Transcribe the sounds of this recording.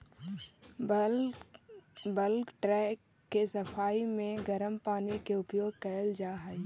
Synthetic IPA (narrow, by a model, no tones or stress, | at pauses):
bəlkʈɾɛːkː | esɐpʰaːimẽɡəɾəmpaːnikeʊpjoːɡ̚kɐjəld͡ʒaːɦɛi